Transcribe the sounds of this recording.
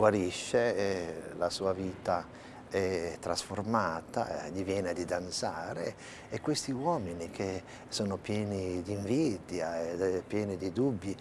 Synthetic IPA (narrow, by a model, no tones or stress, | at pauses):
ɡwaɾiʃːe | lasuːaviːt̪a | ɛt̪ːɾasformaːt̪a̰ʎivjɛːned̪id̪ant̪saːɾeː | kːwest̪iwɔːminik̟ʰe | soːnopjɛːnid̪iɱvid̪jaepːjɛːnid̪id̪ubːi